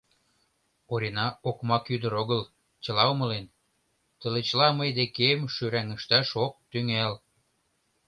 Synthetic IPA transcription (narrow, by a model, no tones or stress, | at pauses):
oɾʲenɑokmɑkyd̪əɾoɣəl | t͡ɕə̆lɑomə̆len | t̪ə̆let͡ɕəlɑməjd̪ekemʃyɾæŋəʃt̪ɑʃok̚t̪yŋæl